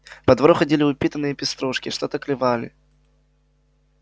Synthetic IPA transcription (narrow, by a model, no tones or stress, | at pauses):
pɐd̪vɐɾuxɐdʲilʲɪʊpʲit̪ənːɨjəpʲɪst̪ɾɔʂkʲɪʂt̪ot̪əklʲɪvalʲɪ̰